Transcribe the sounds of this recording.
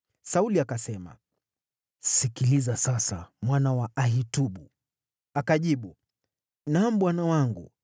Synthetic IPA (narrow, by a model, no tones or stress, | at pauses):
sauliakasɛma̰ | sikilizasasa̰mwanawaaɦituɓu | akaʄiɓu | nam̩ɓwanawaŋɡṵ